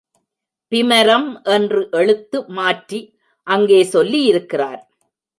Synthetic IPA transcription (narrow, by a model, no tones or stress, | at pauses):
pɪmɐɾɐmʔɛndrɯʔɛɭɯt̪ːɯmaːʈɾi | ʔɐŋɡeːsɔlːijɪɾɯkːɪraːɾ